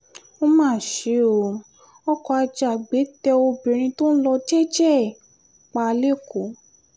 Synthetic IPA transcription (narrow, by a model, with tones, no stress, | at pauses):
o˦mãː˦˨ʃe˨˦o˨˧˨ | ɔ˦kɔ˧a˧d͡ʒa˨ɡ͡be˨˦tɛ˧o˧bĩ˨ɾ̃ĩ˧to˦n̩˦lɔ˧ti˦ɛ˦d͡ʒɛ˦˨ | k͡pa˧le˦˨ko˨˦